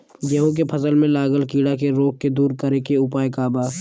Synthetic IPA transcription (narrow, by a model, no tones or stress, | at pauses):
d͡ʒeɦõk̬epʰəzəlmẽlaːɡəlkiːɽakeɾoːk̚ːed̪uːɾkəɾekeʊpaːekaːbaː